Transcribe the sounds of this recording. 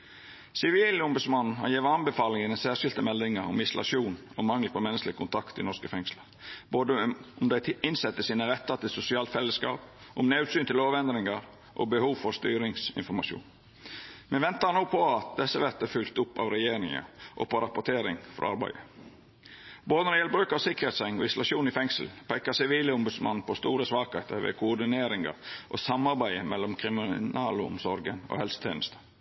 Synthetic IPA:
sɪʋiːlʊmbʉsmɑnn̩hɑ̰njeːʋəɑnbəfɑːlɪŋənɛnsæːʂɪlt̪əmɛld̪ɪŋəɾɔ̰mɪsʊlʔɑ̰ʃuːn | ɔmɑŋːəpʰɔmɛnːəsklɪkʰʊnt̪ʰɑkt̪ɪnɔskəfɛŋsləɾboːd̪əʊmd̪æɪɪnsɛt̪ːəsiːnəɾɛt̪ːɑt̪ɪsʊsɪɑːlt̪fɛlːəskɑ̰ːp̚ʔʊmnɑʉt̪syːnt̪ɪloːʋɛnd̪ɾɪŋəɾ | ʔɔ̰bəhuːʋfɔɾst̪yːɾɪŋsɪ̰nfɔɾmɑʃṵːn | mɛnʋɛnt̪ənoːpʰɔɑt̪̚d̪ɛsːəʋɛt̪əfʉlt̪ʊpːɑ̰ːʋɾɛjeːɾɪŋə̰ʔɔ̰pʰɔɾɑpʊʈ̪ʰeːɾɪŋfɾɔ̰ɑ̰ɾbæ̰ɪə | boːd̪ənɔjɛlbɾʉːkəɔsɪkəɾhet̪sɛŋɔ̰ɪsʊlɑʃuːnɪfɛŋsəl̩pʰæɪkɑsɪʋiːləɔmbʉd̪smɑnn̩pʰɔst̪uːɾəsʋɑːkheːt̪əɾʋḛːkʰʊʊɖɪneːɾɪŋɑ̰ɾʔo̰sɑmɑɾbæɪəmɛlːɔmkʰɾɪmɪnɑːləʊ̰msɔɾɡəno̰hɛlsə̥t̪ʰḛːnəst̪ə̥

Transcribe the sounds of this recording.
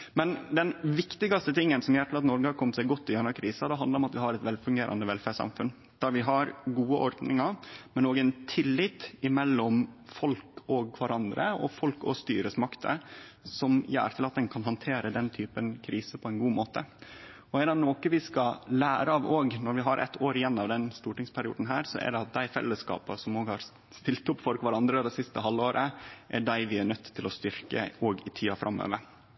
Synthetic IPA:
mɛnd̪ɛnʋɪkt̪ɪɡɑst̪ət̪ʰɪŋːənsɔmjæːʈʰɪlɑt̪nɔɾɡəhɑɾkʰɔmət̪sæɪɡɔt̪ːɪʉnːɑɾkʰɾiːsɑd̪ɛɦɑnd̪ɑɾɔmɑt̪ʋɪhɑɾɛt̪ʋɛlfʉŋɡeːɾʔɑ̰nd̪əʋɛlfæʂɑ̰mfʉn | d̪̥ɑɾʋɪɦɑɾɡuːəʔɔɾd̪nɪŋɑmɛnoːɡɛnt̪ʰɪlːɪt̪ɪmɛlːɔmfɔlkʰɔɡʰʋɑɾʔɑnd̪ɾə̰ɔ̰fɔlkɔ̰st̪y̰ːɾəsmɑkt̪ʰə̰sɔmjæ̰ːɾt̪ɪlɑt̪̚d̪ɛnkʰɑnɦɑnt̪ʰeːɾəd̪ɛnt̪ʰyːpənkʰɾiːsəpʰɔɛɪnɡuːmoːt̪ə | ɔɛɖɑnoːkəʋɪskɑlæːɾəɑʋoːɡnɔɾʋɪɦɑɾʔɛ̰t̪ʰːoːɾɪjɛnːɑʋd̪ɛnst̪uːʈɪŋspʰæɾɪṵːd̪n̩ɦæːɾsɔ̰ʔæ̰ɖɛɑt̪̚d̪æɪfɛ̰lːəskɑ̰ːpəsɔmoːɡhɑɾ | st̪ɪlt̪ʊpfɔlkʋæɾɑnd̪ɾəd̪ɛsɪst̪əɦɑlːoːɾʔəʔæɖæɪʋɪæɳœt̪ːt̪ʰːɪlɔst̪ʏɾkə̰oːɡɪt̪ʰiːɑfɾʔɑmːø̰ːʋəɾ

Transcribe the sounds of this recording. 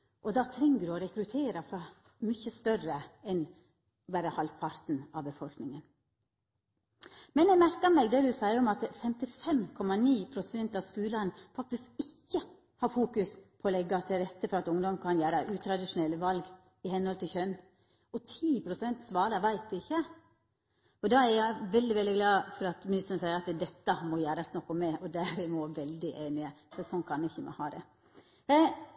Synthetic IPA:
ʔɔd̪ɑt̪ʰɾɛŋːəd̪ʉɔɾɛkɾʉt̪ʰeːɾɑfɾɑ | mʏçəst̪œrəɛn | ʋæɾəhɑlʋpʰɑɾt̪n̩ɑʋbəfɔlknɪŋən | mɛnɛmæɾkɑmɛːɡd̪ɛd̪ʉsæɪɔmɑt̪fɛmt̪ɪfɛmkʰɔmɑniːpʰɾʊsɛnt̪ɑʋskʉːlɑnfɑk̚t̪ɪskɪçːə | hɑɾfuːkʉspʰɔlɛɡːɑt̪ʰɪlɾɛt̪ːəfɔɾɑt̪ʊŋd̪ɔmkʰɑnjæːɾəʔʉːt̪ʰɾɑd̪ɪʂʊnɛlːəʋɑlɡ | ɪhɛnhɔlt̪ʰɪlçœnː | ɔt̪ʰiːpʰɾʊsɛnt̪sʋɑːɾɑʋæɪt̪̚d̪ʉɪçːə | ɔd̪ɑæɾjæɪʋɛld̪ɪʋɛld̪ɪɡlɑːfɔɾɑt̪mɪnɪst̪ənəsæɪəɾɑt̪d̪ɛt̪ːəmɔjæːɾɑsnɔkːʊmːɛʔɔd̪æɾmɔʋɛld̪ɪʔeːnɪəsɔsɔnkʰɑnɪçːəmɛ̰hɑːd̪ɛ̰

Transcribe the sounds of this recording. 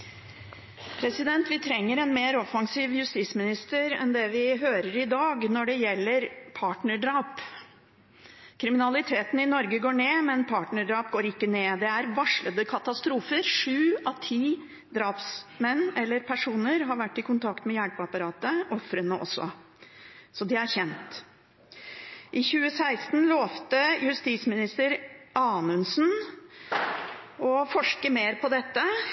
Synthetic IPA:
pʰɾɛsɪd̪ɛnt̪ʋɪt̪ʰɾɛŋːəɾɛnmeːɾɔfːɑŋsiːʋjʉst̪iːsmɪnɪst̪əɾɛ̰nd̪ɛʋɪɦøːɾəɾɪd̪ɑːɡnɔɖɛjɛlːəɾpʰɑːʈɳəɖɾɑːp | kʰɾɪmɪnɑlɪt̪ʰeːt̪n̩ɪnɔɾɡəɡoːɳeːmɛnpʰɑːʈɳəɖɾɑːpɡoːɾɪkːəneːd̪ɛæɾʋɑʂɭəd̪əkʰɑt̪ɑst̪ɾuːfəɾʂʉːɑʋt̪ʰiː | d̪ɾɑːpsmɛnːɛlːəɾpʰæʂuːnəɾɦɑɾʋæʈːɪkʊnt̪ʰɑkt̪mɛjæɽpəɑpɑɾɑːt̪əʔɔfɾənəʔɔ̰sːɔ̰ | sɔd̪ɪæɾçɛnt̪ | ʔɪçʉːəsæɪst̪n̩loːft̪əjʉst̪iːsmɪnɪst̪əɾʔɑːnʉnsn | ɔfɔʂkəmeːɾpʰɔd̪ɛt̪ːə

